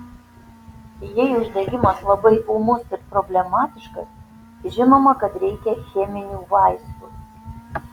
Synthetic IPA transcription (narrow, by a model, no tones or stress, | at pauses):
jɛjʊʒd̪ɐɡʲɪmɐslˠɐbɐɪʔumʊsɪɾpɾobʲlʲɛmɑːt̪ʲɪʃkɐs | ʒʲɪnoːmɐkɐt̪ɾʲɛɪkʲɛxʲeːmʲɪnʲuːʋɑɪst̪u